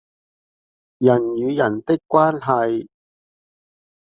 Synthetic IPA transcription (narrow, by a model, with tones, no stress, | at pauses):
jɐ˨˩njyː˨˧jɐ˨˩nt̪ɪ˥kʷːwaː˥nɦɐ˨˧j